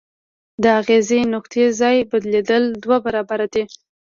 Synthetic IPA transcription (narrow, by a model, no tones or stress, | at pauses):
d̪əaɣezenʊqt̪ezɑjbad̪led̪əld̪wabaɾɑbaɾad̪e